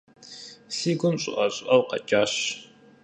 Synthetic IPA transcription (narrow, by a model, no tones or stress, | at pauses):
siːɡʷʊmɕʼʊ̰ʔɐɕʼʊʔɐwqɐ̰t͡ʃʼaːɕ